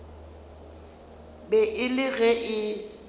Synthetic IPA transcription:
bɛʔɪlɪɣɛʔɪ

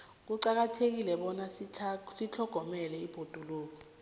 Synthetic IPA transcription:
k̬uǀak̬atʰek̬ilɛɓɔnasʰsit͡ɬʰɔɡ̥ʱɔmɛlɛib̥ʱod̥ʱuloːk̬ɔ

